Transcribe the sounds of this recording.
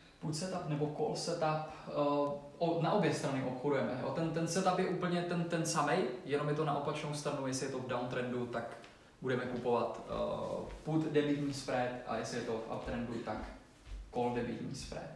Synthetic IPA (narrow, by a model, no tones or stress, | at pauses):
put̪sɛt̪apnɛbo̞kolsɛt̪ap | ʔonaʔo̞bjɛst̪ɾanɪʔopxodujɛmɛjo̰t̪ɛnt̪ɛnsɛt̪apjɛʔuːpl̩ɲɛt̪ɛnt̪ɛnsamɛjjɛnomjɛt̪ona̰ʔo̞pat͡ʃnowst̪ɾanujɛsɪjɛt̪o̞vdawnt̪ɾɛndut̪ak | budɛmɛkupo̞vat̪ | put̪dɛbit̪ɲiːsfɾɛt̪ʔa̰jɛsɪjɛt̪ofʔa̰pt̪ɾɛndut̪akː | oldɛbḭt̪ɲḭsfɾɛ̰t̪